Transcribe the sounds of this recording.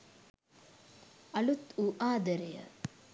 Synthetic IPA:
ɐlut̪uʔaːd̪ɐɾɐjɐ̰

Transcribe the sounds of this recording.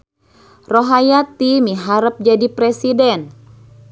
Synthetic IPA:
roɦajat̪imiɦaɾəp̚d͡ʒadipɾɛsidɛn

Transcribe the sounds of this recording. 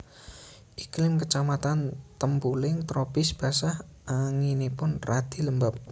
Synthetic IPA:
ʔiklɪmkət͡ʃamat̪ant̪əmpulɪŋt̪ɾopɪsb̥a̤sah | aŋinipʊnrad̪̥i̤ləmbəp̚

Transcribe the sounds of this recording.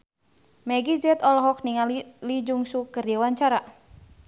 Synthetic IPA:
mɛɡizɛt̪ɔlɔɦɔk̚niŋalilid͡ʒuŋsukɨrjawaɲt͡ʃaɾa

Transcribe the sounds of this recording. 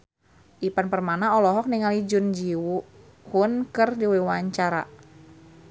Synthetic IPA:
ʔipanpərmanaɔlɔɦɔk̚niŋalid͡ʒʊnd͡ʒiwu | hʊnkərdiwiwaɲt͡ʃaɾa̰

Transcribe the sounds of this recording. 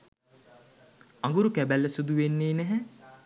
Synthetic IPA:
aŋɡuɾukæbælːəsud̪uʋenːeːnæɦæ

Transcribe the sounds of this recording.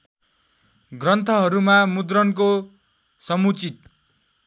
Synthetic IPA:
ɡrʌnt̪ʰʌɦʌɾumamud̪rʌnko | sʌmut͡sit̪̚

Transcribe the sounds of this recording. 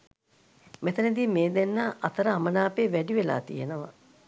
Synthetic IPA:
met̪əned̪iːmeːd̪enːaʔat̪əɾəamənaːpeːʋæɖiʋela̰ːt̪ḭjenəʋa̰

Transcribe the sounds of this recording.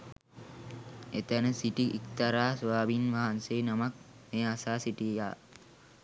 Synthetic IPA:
et̪ənəsiʈiʔikt̪aɾaːsʋaːbinʋaɦanseːnamak | meːasaːsiʈieja̰ː

